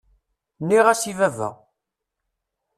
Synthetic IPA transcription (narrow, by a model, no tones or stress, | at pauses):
nːiʁæsivævæ̰